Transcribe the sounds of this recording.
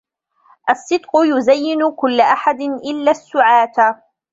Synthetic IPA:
ʔɑsˤːɨd̪qʊjʊzajːɪnʊkʊlːaʔaħad̪ɪnʔɪlːasːʊʕaːt̪

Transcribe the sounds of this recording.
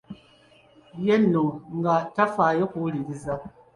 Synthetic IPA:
jɛnoŋŋ̩ɡatafajekulidiza

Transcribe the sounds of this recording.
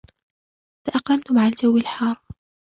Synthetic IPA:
saʔɑqlamt̪ʊmaʕald͡ʒawːɪlħɑːɾˤ

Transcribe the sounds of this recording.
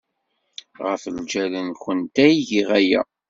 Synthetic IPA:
ʁəfəld͡ʒælənçənt̪æjiʝiʁæjæ̰

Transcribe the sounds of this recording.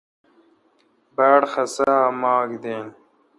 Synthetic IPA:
baːɽxɐsamɑːɡd̪eːn

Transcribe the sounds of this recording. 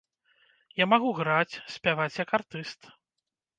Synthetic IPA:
jamaɣuɣɾat͡sʲsʲpʲavat͡sʲjakart̪ɨst̪

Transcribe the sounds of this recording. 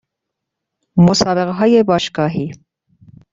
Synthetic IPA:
mosɑːbeɣɦɑːjebɑːʃɡɑːɦiː

